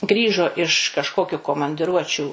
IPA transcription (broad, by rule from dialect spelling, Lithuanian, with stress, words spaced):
ˈɡrʲiːʒoː ɪʃ kɐʃˈkoːkʲʊ koːmɐnʲdʲɪˈruɔt͡ʃʲuː